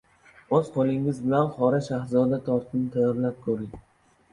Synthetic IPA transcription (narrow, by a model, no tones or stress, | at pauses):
oz̥qʰolˠɪŋɪzbɪlanχɒɾaʃahzɒd̪at̪ʰɒɾt̪ʰɪnɪt̪ʰajɒɾlap̚kʰɵɾɪŋ